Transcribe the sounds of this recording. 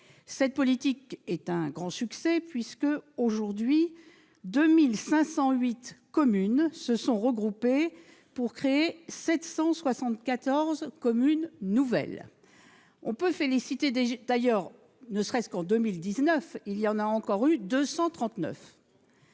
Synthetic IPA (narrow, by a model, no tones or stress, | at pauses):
sɛt̪̚pɔlit̪ikɛt̪ɛ̃ɡʁɑ̃syksɛpɥiskəoʒuʁd̪ɥi | d̪ømilsɛ̃sɑ̃ɥit̪kɔmynsəsɔ̃ʁəɡʁupe | puʁkχeesɛt̪sɑ̃swasɑ̃t̪kat̪ɔʁzkɔmynːuvɛ̰l | ɔ̃pøfelisit̪ed̪ajœʁ | nəsʁɛskɑ̃d̪ømild̪iznœfilijɑ̃naɑ̃kɔʁyd̪øsɑ̃t̪χɑ̃t̪nœ̰f